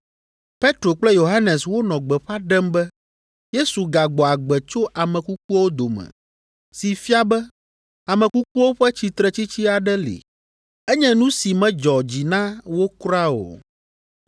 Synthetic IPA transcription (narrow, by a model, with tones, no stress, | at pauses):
pe˦t̪ɾo˨k͡plɛ˦jo˨ɦa˦nɛ˨swo˦nɔ̃˨ɡ͡bɛ˨ɸa˦ɖɛ˦mbɛ˦ | je˦su˨ɡa˨ɡ͡bɔ˨a˨ɡ͡bɛ˨t͡ʃo˦ʔa˨mɛ̃˨ku˦k̚u˦wo˦d̪o˨mɛ̰̃˨ | si˨fi˦a˦bɛ˦ | a˨mɛ̃˨ku˦k̚u˦wo˦ɸɛ˦t͡ɕi˨t̪ɾɛ˨t͡ɕi˦t͡ɕi˦a˨ɖɛ˦lḭ˨ | ɛ˦ɲɛ̃˦nũ˦si˨mɛ̃˦d͡ʒɔ˨d͡ʑi˨nã˦wo˦kɾa˦o̰˨